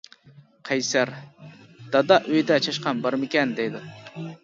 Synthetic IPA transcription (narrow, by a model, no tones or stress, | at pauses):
qʰɑjsæɾ | d̪̥ɑd̪ɑʔøjd̪ɛt͡ʃʰɑʃqɑnbɑɾmɪkʲɛnd̪ejd̪ɪ